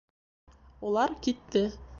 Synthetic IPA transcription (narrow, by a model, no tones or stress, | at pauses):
ulˠɑɾkit̪ːɘ